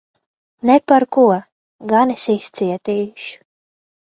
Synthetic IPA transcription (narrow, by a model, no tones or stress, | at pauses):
nɛpaɾkuɔ | ɡanisist̪siɛt̪iːʃ